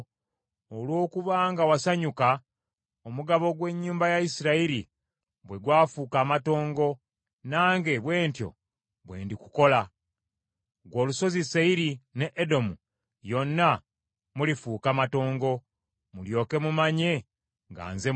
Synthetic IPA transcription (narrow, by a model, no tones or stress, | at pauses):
olwo̞ːkuβaːŋɡawasaɲuka | omuɡaβo̞ɡwe̞ɲːuːmbajaisiɾaiɾi | βwe̞ɡwaːfuːkaːmato̞ːŋɡo̞ | naːŋɡe̞βwe̞ːntjo̞̰ | βwe̞̰ːndikuko̞la | ɡwo̞ːluso̞ziseiɾineʔːdo̞mu | jo̞nːa | mulifuːkamato̞ːŋɡo̞ | muljo̞ːke̞mumaɲe̞ | ŋɡa̰ːnze